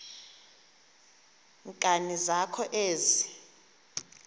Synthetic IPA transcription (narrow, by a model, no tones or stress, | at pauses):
ŋkʼanizakʰɔʔeːzi